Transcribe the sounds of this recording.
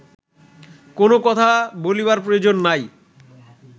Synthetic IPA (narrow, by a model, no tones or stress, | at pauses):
konokɔt̪ʰabolibaɾpɾood͡ʑonːaj